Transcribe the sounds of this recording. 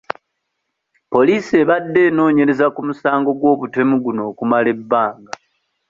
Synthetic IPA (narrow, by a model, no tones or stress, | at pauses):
po̞liːsieβadːe̞ːno̞ːɲe̞ɾe̞zakumusaːŋɡo̞ɡwo̞ːβute̞muɡuno̞ːkumale̞bːaːŋɡa